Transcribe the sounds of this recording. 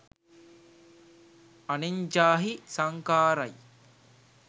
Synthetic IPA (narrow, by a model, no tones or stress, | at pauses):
ɐniɲd͡ʒaːɦisɐŋkaːɾɐj